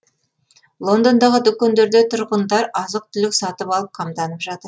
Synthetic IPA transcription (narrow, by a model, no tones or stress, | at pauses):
lˠo̞nd̪ond̪ɑʁəd̪ʊkʲːend̪e̞ɾd̪et̪ʰʊɾʁənd̪ɑɾɑzəq̚t̪ʰʏlɪksɑt̪əpɑlˠəp̚qʰɑmd̪ɑnəpʒɑt̪əɾ